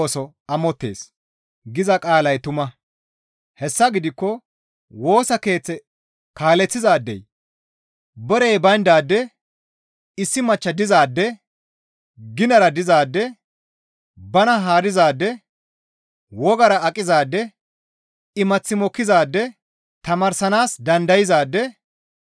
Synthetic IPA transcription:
sɔ | ɐmɔt̪ːe̞̰ːs | ɡɪzɐkʼaːlɐjt̪ʊmɐ | hɛsːɐɡɪd̪ɪkːɔ | wo̞ːsɐke̞ːt͡sːɛ | kaːlɛt͡sːɪzaːd̪ːɛ̰j | bɔɾɛjbɐjnd̪aːd̪ːɛ | ɪsːɪmɐt͡ʃːɐd̪ɪzaːd̪ːɛ | ɡɪnɐɾɐd̪ɪzaːd̪ːɛ | bɐnɐɦaːɾɪzaːd̪ːɛ | wɔɡɐɾɐɐkʼːɪzaːd̪ːɛ | ɪmɐt͡sːɪmɔkːɪzaːd̪ːɛ | t̪ɐmɐɾsɐnaːsd̪ɐnd̪ɐjɪzaːd̪ːɛ

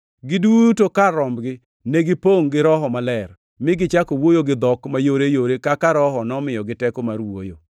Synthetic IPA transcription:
ɡɪdutokaɾɔmbɡɪ | neɡɪpoŋɡɪɾɔɦɔmalɛr | mɪɡɪt͡ʃakowojoɡɪd̪ɔkmajoɾejoɾekakaɾɔɦɔnɔmɪjɔɡɪtɛkomaɾwo̰jo

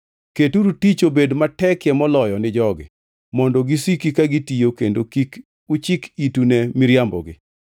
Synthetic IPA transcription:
ketuɾutit͡ʃobedmatɛkjɛmɔlɔjɔnɪd͡ʒɔɡɪ̰ | mɔndɔɡisikikaɡitijokendokik | ut͡ʃɪkitunɛmiɾjambɔ̰ɡɪ̰

